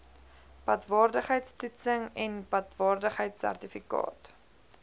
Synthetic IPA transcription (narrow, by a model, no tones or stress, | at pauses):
pɐtvɑːrdəχɦəjtstutsəŋɛnpɐtvɑːrdəχɦəjtsæ̰rtifikɑ̰ːt